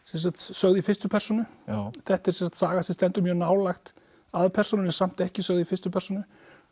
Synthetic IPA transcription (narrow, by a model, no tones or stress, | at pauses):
sɛns̬at̪sœɣðifɪst̪ʏpʰɛrsɔnʏθɛht̪ɛɾsɛnsḁt̪saːɣasɛst̪ɛnt̪ʏmjœnaːwlaxt̪ | aðpʰɛr̥sɔnʏnɛsam̥t̪ɛhcɪsœɣðifɪst̪ʏpʰɛr̥sɔnʏ